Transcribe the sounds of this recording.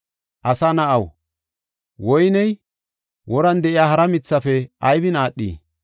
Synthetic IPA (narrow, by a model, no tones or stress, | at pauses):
ʔɐsanɐʔɐw | wɔjnɛj | wɔɾɐnd̪ɛʔɪjaːhɐɾɐmɪt͡sːɐfɛʔɐjbɪnaːɗːḭː